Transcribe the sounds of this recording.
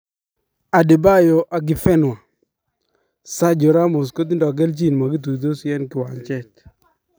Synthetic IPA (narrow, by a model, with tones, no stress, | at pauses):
a˨di˨ba˦jo˨ʔa˨ɡɪ˨fɛ˦nwa˨ | sa˦d͡ʒo˨ɾa˦mo˨s̬ko˦t̪i˦ndɔ˨ɡɛ˦lt͡ʃi˦˨nma˨ɡɪ˦t̪̬u˨d̪o˦sɛ˦nkɪ˨wa˨nt͡ʃɛ˦˨t͡ʃ